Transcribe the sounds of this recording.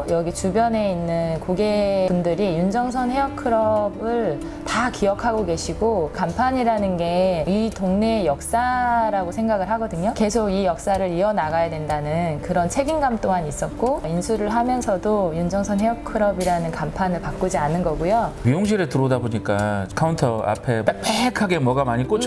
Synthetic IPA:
jʌɡit͡ɕubjʌne̞inːɯnkoɡe̞pundɯɾijund͡ʑʌŋsʰʌnɦe̞jʌkʰɯɾʌbɯɭ | takijʌkʰaɡoɡe̞ɕʰiɡokampʰaɲiɾanɯnɡe̞itoŋnejʌk̚s͈aɾaɡosʰe̞ŋɡaɡɯɭɦaɡʌdɯɲoke̞sʰoɡijʌk̚s͈aɾɯɾiʌnaɡajadwe̞ndanɯnkɯɾʌnt͡ɕʰe̞ɡinɡamt͈oŋanis͈ʌt̚k͈oinsʰuɾɯɭɦamjʌnsʰʌdojund͡ʑʌŋsʰʌnɦe̞jʌkʰɯɾʌbiɾanɯnkampʰanɯɭpak͈ud͡ʑianɯnɡʌɡujomijoŋɕ̬ʰiɾɯtɯɾʌdaboɲik͈a̰kʰauntʰʌa̰pʰepʰeekʰaɡe̞mʌɡamaɲik͈o

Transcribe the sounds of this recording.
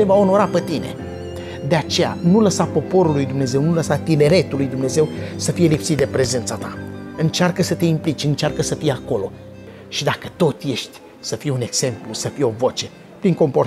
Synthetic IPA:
evao̞no̞ɾapet̪ine̞̰ | d̪e̞at͡ʃe̞ja̰nuləsapo̞po̞ɾulːujd̪umne̞ze̞wnuləsat̪ine̞ɾe̞t̪ulujd̪umne̞ze̞wsəfije̞lipsit̪̚d̪epɾe̞ze̞nt̪sat̪aɨnt͡ʃearkəsət̪e̞implit͡ʃʲɨnt͡ʃearkəsəfijeako̞lo̞ | ʃid̪akət̪o̞t̪je̞ʃt̪ʲ | səfijune̞ɡz̥e̞mplusəfijo̞vo̞t͡ʃe̞ | pɾiŋko̞mpo̞r

